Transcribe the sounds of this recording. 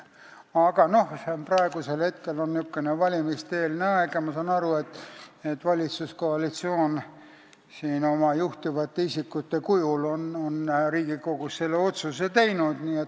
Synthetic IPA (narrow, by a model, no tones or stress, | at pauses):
ɑɡ̥ɑno̞hsenprɑe̞ɡ̥use̞lhe̞t̪ke̞lo̞nykːenevɑlʲimist̪eːlneɑeɡ̥ɑmɑsɑnɑɾue̞t̪ːˑe̞t̪ːvɑlʲit̪susko̞ɑlit̪sio̞ːn | siːno̞mɑjuht̪ivɑt̪ːeisikːˑut̪ːe̞kujulononɾiːɡ̥iko̞ɡ̥usːe̞lːeo̞t̪suset̪e̞jnud̪̥niːet̪